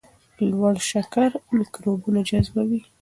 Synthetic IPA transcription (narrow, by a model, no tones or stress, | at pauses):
lwaɽʃakaɾmɪkɾobunad͡ʒazbawi